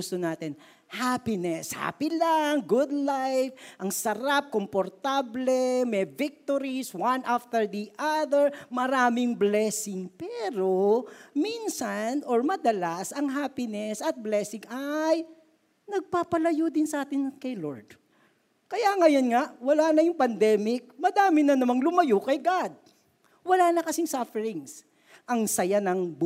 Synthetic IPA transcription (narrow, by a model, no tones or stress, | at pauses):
ʊst̪onaːt̪ɪn | haːpɪnɛsha̰ːpɪlaŋɡʊd̪lajfʔɐŋsɐɾap̚kompoɾt̪ablɛmɛvɪk̚t̪oɾiswanʔaft̪ɛɹd̪iʔaðɛɹmɐɾaːmɪŋblɛsɪŋpɛɾominsanʔoɹmɐd̪ɐlasɐŋɦaːpɪnɛsɐt̪̚blɛsɪŋaj | nɐɡ̚paːpɐlɐjod̪ɪnsɐʔaːt̪ɪnkɐjloɹd̪̥̚ | kɐjaŋɐjonŋaʔwɐlaːnɐjʊŋpɐnd̪ɛmɪk̚mɐd̪aːmɪnɐnɐmaŋlʊmɐjokɐjɡad̪̚ | wɐlaːnɐkɐsɪŋsafɛɾɪŋs | ʔɐŋsɐjanɐŋb